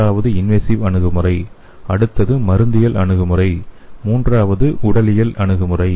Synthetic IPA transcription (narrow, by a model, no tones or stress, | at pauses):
aːʋɐðɯɪnʋesiʋɐɳɯɣɯmɯrɐɪ | ɐɽɯt̪ːɐðɯmɐɾɯnd̪ɪjɐlʔɐ̰ɳɯɣɯmɯrɐɪmuːndraːʋɐðɯʔʊɽɐlɪjɐlʔɐɳɯɣɯmɯrɐɪ